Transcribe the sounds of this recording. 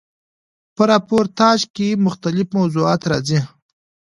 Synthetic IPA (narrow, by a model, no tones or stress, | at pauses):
pəɾɑpoɾt̪ɑʒkemʊxt̪alɪfmawzuɑːt̪ɾɑzi